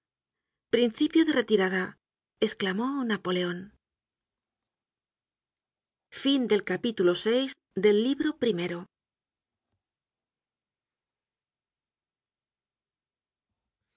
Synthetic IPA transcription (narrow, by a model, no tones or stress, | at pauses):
pɾin̟θipjoðeret̪iɾaða | esklamonapo̞le̞o̞n | find̪e̞lkapit̪ulosejz | ðe̞lːiβɾo̞pɾime̞ɾo